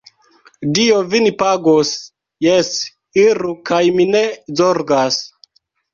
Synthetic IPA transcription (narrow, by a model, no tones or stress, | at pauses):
diovinipaɡos | jes | iɾukajminezoɾɡas